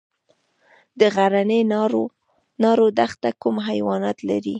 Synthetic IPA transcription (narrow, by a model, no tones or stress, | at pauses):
d̪əɣaɾaneɾ | nɑɾod̪axt̪akumɦajwɑnɑt̪laɾi